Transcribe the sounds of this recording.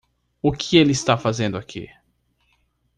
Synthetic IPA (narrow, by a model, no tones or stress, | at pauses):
ʊkʰɪelɪst̪afazẽnd̪ʊakʰḭ